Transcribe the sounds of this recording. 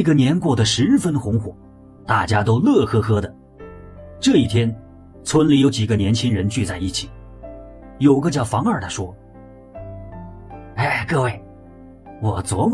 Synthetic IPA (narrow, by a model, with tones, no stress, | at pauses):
i˥˩ɡə˧njɛ˧˥nkwɔ˥˩d̪ə˩ʂɻ̩˧˥ɻ̩˥˩fə˥nxʊ˧˥ŋxwɔ˨˩˦ | t̪a˥˩t͡ɕja˥t̪o˥ʊlɤ˥˩xɤ˥xɤ˥d̪ə˨ | ʈ͡ʂɤ˥˧i˥˩t̪ʰjɛ˥n | t͡sʰwə˧˥nli˧˥jo˧˥ʊt͡ɕi˨˩ɡə˧˦njɛ˧˥nt͡ɕʰi˥ŋɻə˧˥nt͡ɕy˥˧t͡sa˥˧ɪi˥˩t͡ɕʰi̥˨˩˦ | jo˨˩ʊɡə˧t͡ɕjɑ˥˩ʊfɑ˧˥ŋə˞˨˩d̪ə˧ʂwɔ˥ | a˥˩ɪkɤ˥˧we˥˩ɪ | wɔ˨˩t͡swɔ˧˥